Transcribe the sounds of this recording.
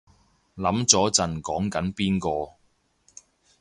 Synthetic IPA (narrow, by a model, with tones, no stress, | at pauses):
lɐ˨˥mt͡sɔː˨˥t͡sɐ˨nkɔː˨˥ŋkɐ˨˥npiː˥nkɔː˧